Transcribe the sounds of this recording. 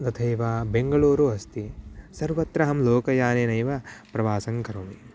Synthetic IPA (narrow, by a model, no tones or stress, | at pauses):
d̪ɐt̪ʰɐjʋaːbeŋɡɐɭuːɾuɐst̪isɐɾʋɐt̪ɾɐɦɐmloːkɐjaːneːnɐjʋɐpɾɐʋaːsɐŋkɐɾoːmi